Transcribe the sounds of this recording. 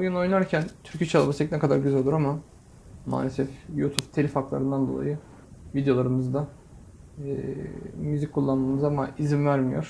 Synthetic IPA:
bujano̞jnaɾcʰænt̪ʰyɾcʰit͡ʃʰalˠabasɛcnɛkʰad̪aɾɟyzælolˠuɾama | ma̰ːlʲesɛfjut̪ʰuvt̪ʰelʲifaklˠa̰ɾɯnd̪and̪olˠa̰jɯ | vid̪ejo̞lˠaɾɯmɯzd̪a | ɛːmyzic̚ʲkʰːulˠːanmamɯzamaizimvæɾmijo̰ɾ̥

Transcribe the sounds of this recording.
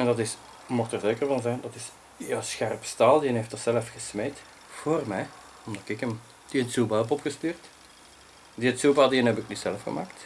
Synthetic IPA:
ɛndɑtɪs | mɔxtərzeːkərvɑnzɛjndɑtɪs | jassxɛrpstaːlˠdiənɦeftətsɛləfxəsmejt | v̥oːrmɛj | ɔmdɑtɪkəm | d̥iətsubaɛpɔpxəstyːrt | diətsuːbadiənɛbɪknisɛləfxə̰maːkt

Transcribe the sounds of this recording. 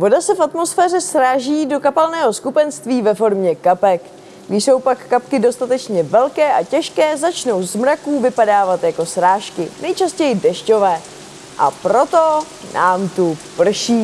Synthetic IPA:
vo̞dasɛfat̪mo̞sfɛːr̝ɛsɾaːʒiːdo̞kapalnɛːɦo̞skupɛnst̪viːvɛfo̞ɾmɲɛkapɛk | ɡdɪʃso̞wpakːapkɪdo̞st̪at̪ɛt͡ʃɲɛvɛlkɛːʔacɛʃkɛːzat͡ʃno̞wzmɾakuːvɪpadaːvat̪jako̞sɾaːʃkɪnɛjt͡ʃascɛjɪdɛʃco̞vɛː | ʔa̰pɾo̞t̪o̞ | nʔa̰ːmt̪upr̩ʃiː

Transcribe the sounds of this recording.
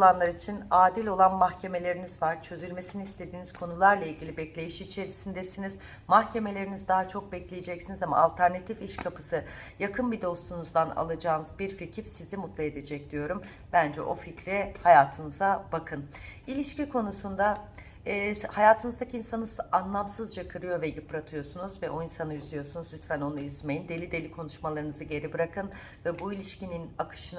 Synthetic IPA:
olˠanlˠaɾit͡ʃʰinaːd̪ilʲo̞lˠanmaxcʰe̞me̞lʲe̞ɾinizvaɾ̥t͡ʃʰø̞zylʲme̞siniːst̪ʰe̞d̪iːniz̥kʰo̞nulˠaɾlˠailʲɟʲilʲibɛclʲe̞jiʃit͡ʃʰe̞ɾisind̪ɛsiniz̥ | maxcʰe̞me̞lʲe̞ɾinizd̪aɦat͡ʃʰo̞k̚bɛclʲejed͡ʒɛcsinizama̰ːlʲt̪ʰæɾnat̪ʰifiʃkʰapʰɯ̥sɯjakʰɯnbid̪o̞st̪ʰunuzd̪ana̰lˠad͡ʒaːnɯzbiɾficʰiɾsizimut̪lˠaed̪e̞d͡ʒɛc̚d̪̥ijo̞ɾum | bænd͡ʒɛ̰ʔo̞ficɾɛhajaːt̪ʰɯnɯzabakʰɯnilʲiʃcikʰo̞nusund̪aː | hajaːt̪ʰɯnɯzd̪acʰɯinsanɯzanlˠamsɯzd͡ʒakʰɯɾɯjo̞vɛjɯpɾat̪ʰɯjo̞sunuzvɛʔo̞insanɯjyzlʲijo̞sunuzjyst̪fæno̞nujyzmejind̪e̞lʲid̪e̞lʲikʰo̞nuʃmalˠaɾɯnɯzɯɟe̞ɾibɯɾakɯn | vɛbuilʲiʃcininakʰɯ̥ʃɯn

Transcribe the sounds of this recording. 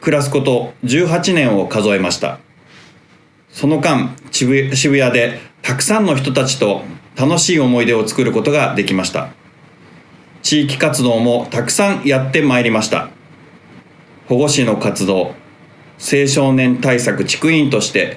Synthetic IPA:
kɯ̟ɾas̬ɨ̥ko̞t̪o̞d͡ʑɨːɦat͡ɕinẽ̞ɰ̃o̞kazo̞e̞maɕi̥t̪a̰ | so̞no̞kãŋ | ɕ̬iβɯ̟jad̪e̞t̪akɯ̟̥sãnːo̞çʲi̥t̪o̞t̪at͡ɕi̥t̪o̞t̪ano̞ɕiːo̞mo̞id̪e̞o̞t͡sɨ̥kɯ̟ɾɯ̟ko̞t̪o̞ɡad̪e̞kʲimaɕi̥t̪a̰ | t͡ɕiːk̬ʲi̥kat͡sɨd̪o̞ːmo̞t̪akɯ̟̥sãɰ̃jat̪ːe̞maeɾʲimaɕi̥t̪a̰ | ho̞ɡo̞ɕino̞kat͡sɨd̪o̞ː | se̞ːɕo̞ːnẽ̞nt̪aisakɯ̟̥t͡ɕi̥kɯ̟ĩnt̪o̞ɕi̥t̪e̞

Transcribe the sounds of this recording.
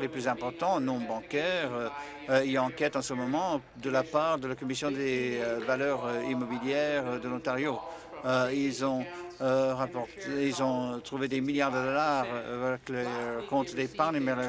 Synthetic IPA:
leplyzɛ̃pɔʁt̪ɑ̃nɔ̃bɑ̃kɛʁə | iɑ̃kɛt̪ɑ̃səmɔmɑ̃ | d̪əlapaʁd̪əlakɔmisjɔ̃d̪evalœʁimɔbiljɛʁəd̪əlɔ̃t̪aʁjo | ilzɔ̃øʁapɔʁt̪ilzɔ̃t̪χuved̪emiljaʁd̪əd̪ɔlaʁvɛklekɔ̃t̪d̪epaʁnmɛl

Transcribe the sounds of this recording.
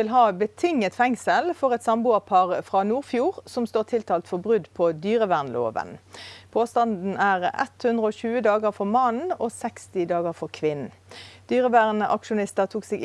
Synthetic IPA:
ɪlɦɑːbət̪ʰɪŋːət̪fɛŋsəlfɔʁɛt̪sɑmbʊːɑʁpʰɑʁfʁɑnuːʁfjuːʁsɔmst̪oːʁt̪ʰɪlt̪ʰɑːlt̪fɔbʁʉd̪pʰɔd̪yːʁəʋæʁnlo̰ːʋə̰npʰoːst̪ɑnd̪n̩æʁɛ̰t̪hʉnd̪ʁəoːçʉːəd̪ɑːɡəʁfɔʁmɑnn̩ɔːsɛkst̪ɪd̪ɑːɡəʁfɔkʰʋɪnn̩ | d̪̥yːʁəʋæʁnəʔɑ̰kʃʊnɪst̪əʁt̪ʰuːksɛɡ

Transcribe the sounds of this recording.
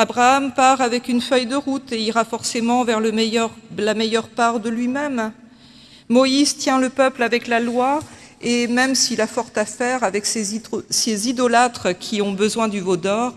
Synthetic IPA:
abʁaːmpaʁavɛkynfœjd̪əʁut̪eiʁafɔʁsemɑ̃vɛʁləmjʁlamɛjœʁpaʁd̪əlɥimɛm | ɔizt̪jɛ̃ləpœplavɛklalwa | emɛmsiːlafɔʁt̪afɛʁavɛksesezid̪ɔlat̪χkʲʰiɔ̃bəzwɛ̃d̪yvod̪ɔʁ

